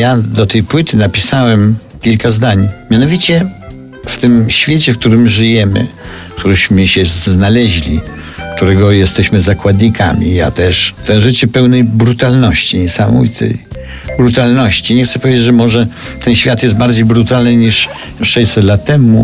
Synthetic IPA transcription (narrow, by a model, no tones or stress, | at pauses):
jad̪ɔt̪ɛjpwɪt̪ɘnapʲisawɛm | kʲilkazd̪aɲmʲjanɔvʲit͡ɕɛ | ft̪ɪmɕfʲjet͡ɕɛfk̚t̪uɾɘmʐɨjɛmɘ̰ | kt̪uɾɪɕmɘɕɛznalɛʑlʲḭkt̪uɾɛɡɔjɛst̪ɛɕmɘzakwad̪ɲikʰa̰mʲḭja̰t̪ɛʂt̪ɛ̃ʐɘt͡ɕɛpɛwnɛjbɾut̪alnɔɕt͡ɕiɲɛsamɔ̰vit̪ʰɛ̰j | bɾut̪alnɔɕt͡ɕiɲɛxt̪sɛpɔvʲed͡ʑd͡ʑʐɛmɔʐɛ | t̪ɛnɕfʲjat̪jɛst̪baɾd͡ʑejbɾut̪alnɘɲiʂ | ʂɛjsɛt̪lat̪ːɛmu